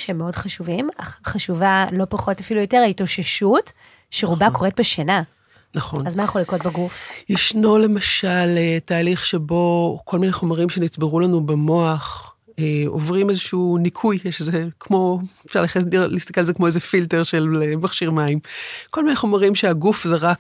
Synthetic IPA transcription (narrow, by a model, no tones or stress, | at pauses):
ʃeemːeo̞dχaʃuvimaχaʃuvalo̞paχo̞tafilujo̞teʁaitoʃeʃut | ʃeʁubako̞ʁet̚beʃena | naχo̞nazmajeχolikot̚beɡufjiʃnole̞maʃaletaːliχʃebo̞kʰo̞lmineχo̞maʁimʃe̞nit͡sbeʁulanubemo̞aχ | eovʁimezeʃuunikʰujeʃzekmo̞efʃaʁlaχeilist̪akelzekmoezefilteʁʃe̞lemaχʃiʁmaimko̞lmineχo̞maʁimʃeaɡufzeʁak